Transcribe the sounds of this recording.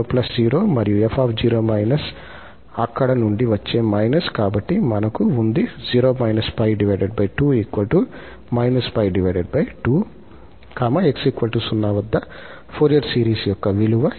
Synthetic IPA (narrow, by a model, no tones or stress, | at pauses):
plɐsd͡ʒiːɾo̞ːmɐɾijuepʰaːpd͡ʒiːɾoːmɐjnɐs | ɐkːɐɽɐnuɳɖiʋɐt͡ʃːeːmɐjnɐskaːbɐʈːimɐnɐkuund̪id͡ʒiːɾoːmɐjnɐspɐjɖiʋɐjɖeɖ̚bɐjʈuːiːkʋɐlʈu | mɐjnɐspɐjɖiʋɐjɖeɖ̚bɐjʈuː | kaːmɐeksiːkʋɐlʈuːsunːaːʋɐd̪ːɐ | pʰoːɾijɐɖsiːɾiːsjɔkːɐʋiluʋɐ